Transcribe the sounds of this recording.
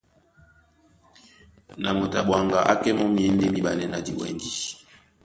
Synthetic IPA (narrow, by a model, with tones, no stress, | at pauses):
na˨mo˨ta˨ɓwa˨ŋɡa˨ʔa˦kɛ˦mɔ˦mi˨ɛ˦n˦de˦mi˦ɓa˨nɛ˦na˨dḭ˨wɛ̰˦ndi˦